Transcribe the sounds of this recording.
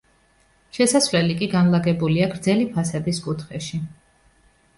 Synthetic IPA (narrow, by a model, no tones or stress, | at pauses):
ʃɛsasvlɛlikʼiɡanlˠaɡɛbuliaɡɾd̪zɛlipʰasad̪iskʼut̪ʰχɛʃi